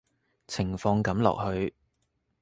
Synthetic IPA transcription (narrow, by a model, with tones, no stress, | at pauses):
t͡sʰɪ˨˩ŋfɔː˧ŋkɐ˨˥mlɔ̰ː˨k̚hɵ˧ɥ